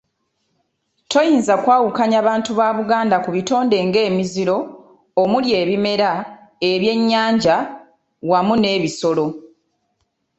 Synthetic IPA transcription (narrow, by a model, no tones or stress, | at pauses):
tʰo̞jiːnzakwaːwukaɲaβaːntuβaːβuɡaːndakuβito̞ːnde̞ŋɡe̞ːmiziɾo̞ː | mulje̞ːβime̞ɾa | e̞βje̞ɲːaːɲɟa | wamune̞ːβiso̞lo̞